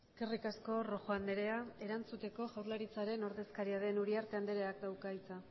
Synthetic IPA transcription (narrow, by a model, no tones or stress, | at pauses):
eske̞rikasko̞ro̞ʝoand̪eɾe̞ae̞ɾant͡sut̪e̞ko̞ʝawɾlaɾit͡saɾe̞no̞ɾðe̞skaɾiað̞e̞nuɾiaɾt̪e̞and̪e̞ɾe̞akd̪awkait͡sa